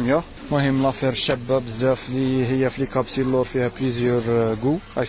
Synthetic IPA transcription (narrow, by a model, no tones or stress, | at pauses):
mjæ | mʊhəmːlɑfiɾʃæbːæbzæfliɦəjːæflikɑbsilːʊɾˤfihæplizjəɾɡuʔæ